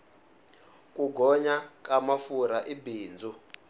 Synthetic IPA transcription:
kʼuɡʱɔɲakʼamafuɾaʔibiːnd͡zʱu

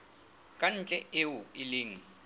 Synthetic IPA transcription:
kʼan̩t͡ɬʼɛeʊɪlɪːŋ̩

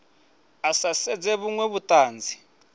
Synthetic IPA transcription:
asasɛd͡zɛβuŋwɛβutʼaːnd͡zʱi

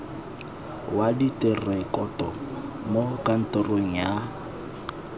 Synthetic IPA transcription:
waditʼɪrɛkʼɔtʼɔ | mokʼan̩tʼɔroŋ̩ja

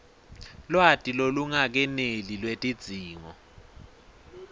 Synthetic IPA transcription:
lwatʼiloluŋak̬ɛnelilwetʼid̥d͡z̥ʱiːŋɔ̰

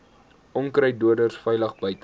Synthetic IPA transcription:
ʔɔŋkrəjduədərsfɛjləχbəjt

